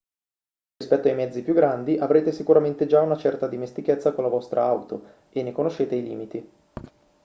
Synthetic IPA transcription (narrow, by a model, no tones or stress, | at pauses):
rispɛt̪ːoajmɛd̪zːipjuɡːɾand̪iʔavɾeːt̪esikuɾament̪ed͡ʒaunat͡ʃɛrt̪ad̪imest̪iket̪sːakonlavɔst̪ɾʔa̰awt̪o | enːekonoʃːeːt̪eilḭːmit̪i